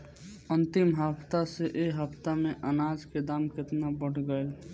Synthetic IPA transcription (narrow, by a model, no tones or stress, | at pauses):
ɐnt̪ɪmɦəpt̪aseʔeːɦɐpt̪amẽʔɐnaːd͡ʒked̪aːmkɪt̪nabəɽɡəe